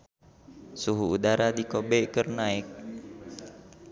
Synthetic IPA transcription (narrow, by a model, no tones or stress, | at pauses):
suɦuːdaɾadikobɛʔkərnaɪk̚